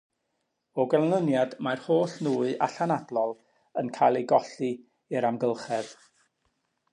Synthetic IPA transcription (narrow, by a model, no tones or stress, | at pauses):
ɔɡɛlˠnənjadmarhoːɬnuːɨʔa̰ɬanadlˠɔlˠ | ənkʰajlˠeɡɔɬɨ | ɪɾamɡəlˠχɛð̥